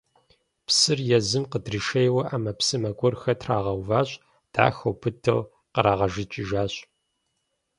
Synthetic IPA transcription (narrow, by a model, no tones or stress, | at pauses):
psɨrjɛzɨmqədriʃejwɐʔamɐpsɨmɐɡʷʼʊrxɐtʰraːʁɐwvaːɕʼ | d̥a̰ːxɐwpʰɨtʰɨ̰ʁ | qəɾaːʁɐʒɪt͡ʃʼɪʒaːɕʼ